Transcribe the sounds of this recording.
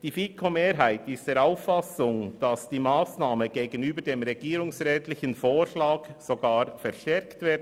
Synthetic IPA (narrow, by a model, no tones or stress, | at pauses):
d̥iːfiːkʰomeːɾɦaɪtɪstd̥eːɐɾaʊfːasʊŋd̥ɑsd̥iːmaːsnaːməɡ̥eːɡənyːbədeːmʁɛɡ̥iːɾʊŋsʁɛːtlɪçənfoːʃlaːksoɡaːɾfɛʁʃtɛɾktvɪːd